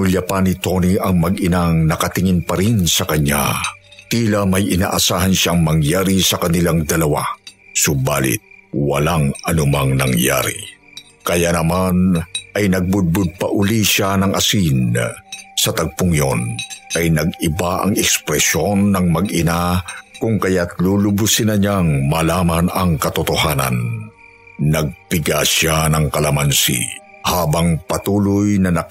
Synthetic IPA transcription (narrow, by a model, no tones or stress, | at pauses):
ʊlɐpanit̪o̞niʔɐŋmɐɡɪnaŋnɐkɐt̪ɪŋɪnpɐɾinsɐkɐɲa̰t̪iːlɐmɐjʔɪna̰ːʔɐsaːɦɐnʃaŋmɐŋjaːɾisɐkɐnɪlaŋd̪ɐlɐwa̰sʊbaːlɪ̰t̪̚wɐ̰laŋɐnʊmaŋnɐŋja̰ːɾḭ | kɐjanɐmanʔɐjnɐɡ̚bʊd̪̚bʊd̪̚pɐʔʊliʃanɐŋʔɐsin | sɐt̪ɐɡ̚pʊŋjonʔɐjnɐɡɪbaʔɐ̰ŋɛkspɾɛsonːɐŋmɐɡɪnakʊŋkɐjat̪lulʊbʊsɪnɐɲaŋmɐlaːmanɐŋkɐt̪ʊt̪ohanɐ̰nː | ɐɡ̚pɪɡaʃanɐŋkɐlɐmansḭhaːbɐŋpɐt̪uːlʊjnɐnɐ